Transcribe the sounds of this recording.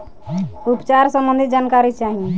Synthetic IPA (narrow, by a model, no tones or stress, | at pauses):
upt͡ʃaɾsəmbənd̪ʱid͡ʒankaɾit͡ʃaɦi